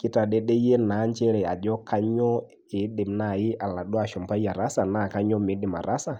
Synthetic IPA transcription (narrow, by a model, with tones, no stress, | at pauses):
kɪ˦ta˨ɗɛ˦ɗɛ˦jɛ˦na˨˦ɲt͡ʃɛ˦ɾɛ˨a˨d͡ʒɔ˦kʰa˦ɲɔ˦ | ɪ˨˦ɗɪ˨mna˦˨ɪ˦ʔa˨la˨ɗɔ˦a˨ʃɔ˨mpa˦i˦a˨ɾa˦sa˨na˨ka˦ɲɔ˦mɪ˨˦ɗɪ˨ma̰˨ɾa˦sa˦˨